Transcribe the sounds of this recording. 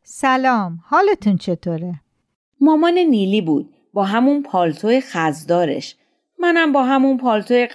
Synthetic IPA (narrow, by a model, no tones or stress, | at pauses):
sælɒːmhɒːlet̪ʰunt͡ʃʰet̪ʰoːɾe | mɒːmɒːneniːliːbuːd̪̥̚ | bɒːɦæmunpʰɒːlt̪ʰojexæzd̪ɒːɾḛʃ | mænæmbɒːɦæmunpʰɒːlt̪ʰoje